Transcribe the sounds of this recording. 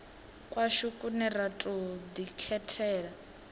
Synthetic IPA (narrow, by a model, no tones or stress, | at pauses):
kʼwaʃukʼunɛɾatʼud̪ikʰɛtʰɛːɺa